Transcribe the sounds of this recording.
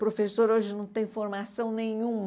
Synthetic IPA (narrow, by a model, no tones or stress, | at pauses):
pɾofesoɾoʒɪnɐ̃w̃t̪ẽj̃foɾmasɐ̃w̃nẽɲũm